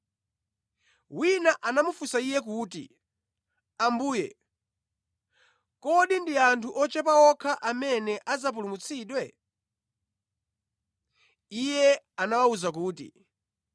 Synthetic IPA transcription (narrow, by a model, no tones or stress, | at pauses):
winaʔanamufusaijɛkuːtḭ | ambuːjɛ̰ | kɔɗindiantʰuʔɔt͡ʃɛpaɔkʰaʔamɛnɛʔazap̬ulumut͡sʰiːɗwɛ | ijɛ | anawauzak̬uːtḭ